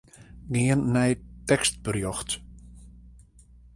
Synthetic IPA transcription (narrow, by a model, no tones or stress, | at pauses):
ɡɪənːɛjtɛkst̚b̥ərjɔxt